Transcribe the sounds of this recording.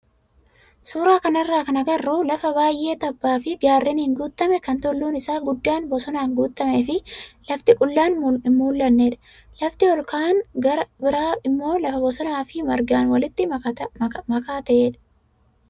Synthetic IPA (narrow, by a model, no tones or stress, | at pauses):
suːɾaːkɐnɐrːaːkɐnɐɡɐrːuːlɐfɐβaːjʔe̞ːt̪ɐbːaːfɪɡaːrːɪnːŋɡuːt̪ːɐmɛkɐnt̪ʊlːuːnɪsaːɡʊd̪ːaːnbɔsɔnaːŋɡuːt̪ːɐmeːfɪlɐft̪ɪkʼʊlːaːnmuːlːɐnːeːᶑɐ̥ | lɐft̪ɪɔlkaːnɐɐbɪɾaːɪmːo̞ːlɐfɐbɔsɔnaːfɪmɐɾɡaːnwɐlɪt̪ːɪ | mɐkaːt̪ɐʔeːᶑɐ̥